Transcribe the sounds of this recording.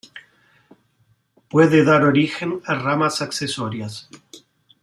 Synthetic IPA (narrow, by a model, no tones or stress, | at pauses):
pweðeðaɾo̞ɾixenaramasaksesoɾjas